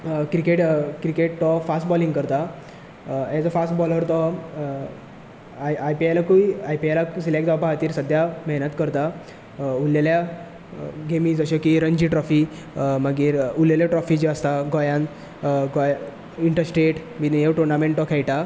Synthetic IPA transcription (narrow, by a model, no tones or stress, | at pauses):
kɾikeʈkɾikeʈt̪ɔfasʈbɔliŋɡkəɾt̪a | ed͡zɔfasʈbɔləɾt̪ɔ | ajpiajlakuiajpialasilek̚d͡z̪apaɦat̪iːɾsəd̪ʱjamɛɦnət̪kəɾt̪a | uljalja | ɡemiːd͡zəɕɔkiɾənd͡ʑiːʈɾɔfi | məɡiːɾuljaljaʈɾɔfiːd͡ʑiəst̪aɡɔjãn | ɡɔj | iɳʈəɾsʈɾeʈʋineʈuɾnamẽɳʈɔkʰɛjʈa